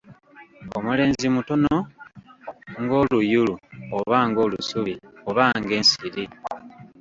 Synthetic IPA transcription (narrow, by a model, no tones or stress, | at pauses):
omule̞ːnzimuto̞no̞ | ŋɡo̞ːlujuluoβaːŋɡo̞ːlusuβio̞βaŋɡe̞ːnsiɾi